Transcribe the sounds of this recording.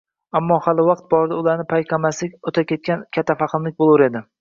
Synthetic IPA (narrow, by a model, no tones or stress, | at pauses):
amːɒhalɪwɑqt̪̚bɒɾd̪aʊlaɾnɪpʰajqʰɑmaslɪkʲot̪ʰakʲe̞t̪̚kʲankʲʰat̪ʰːafaqʰɨmlɪkʲbolˠʊɾe̞d̪ɪ